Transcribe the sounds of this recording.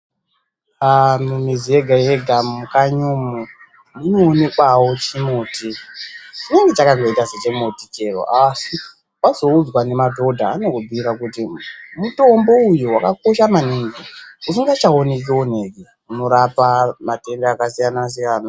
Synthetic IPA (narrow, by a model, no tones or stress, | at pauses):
amumizieɡʱajeɡʱamukaɲumu | muno̞ːne̞kwawo̞t͡ʃimuːtit͡ʃine̞ŋɡet͡ʃakaŋo̞itaset͡ʃemutit͡ʃe̞ro̰ʔasi | wazo̞ud͡zwane̞madʱo̞dʱaːnoobʱiɾakutimuto̞mbo̞ujuwakako̞ʃamaniŋɡiusiŋɡat͡ʃaone̞k̬eon̤e̞ki | uno̞ɾapamate̞ndaakasijanas̬ijana